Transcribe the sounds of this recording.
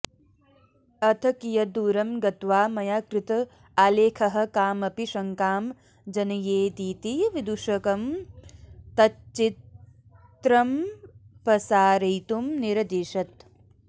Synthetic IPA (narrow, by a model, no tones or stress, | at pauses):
ɐt̪ʰɐkijɐd̪uːɾɐmɡɐt̪ʋaːmɐjaːkɾɪt̪ɐ | aːleːkʰɐɦɐ̆kaːmɐpiʃɐŋkaːm | d͡ʒɐnɐjeːd̪iːt̪iʋid̪uʃɐkɐm | t̪ɐt͡ʃit | t̪ɾɐmpɐsaːɾɐjt̪umniɾɐd̪iːʃɐt̪